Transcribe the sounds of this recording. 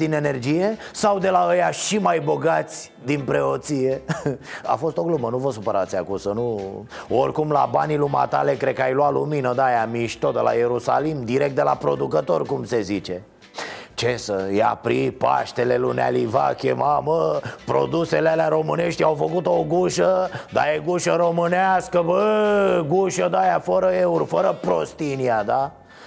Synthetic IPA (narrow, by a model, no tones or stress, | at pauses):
d̪ine̞ne̞rd͡ʒije̞sawd̪e̞laəjaʃimajbo̞ɡat̪sʲ | d̪inpɾe̞ot̪sije̞ | a̰fo̞st̪o̞ɡlumənuvosupəɾat̪siakusənuorʲkumla̰baniluma̰t̪a̰le̞kɾed̪kajlwaluminəd̪ajamiʃt̪ot̪̚d̪elʔa̰jeɾusa̰limd̪iɾek̚t̪d̪ela̰pɾo̞̰d̪ukət̪o̞rkumse̞zit͡ʃe̞ | t͡ʃesəja̰pɾipa̰ʃt̪elelunea̰liva̰kʲḛmaməpɾo̞̰d̪uselealeaɾo̞mɨne̞ʃt̪ʲjawfəkut̪oɡuʃəd̪a̰jeɡuʃəɾomɨneaskəbəɡuʃəd̪ajafəɾəe̞urfəɾəpɾo̞st̪iniad̪a